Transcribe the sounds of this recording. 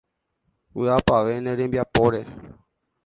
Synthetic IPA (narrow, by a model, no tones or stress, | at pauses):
ṵapaʋenẽɾẽmbiapoɾe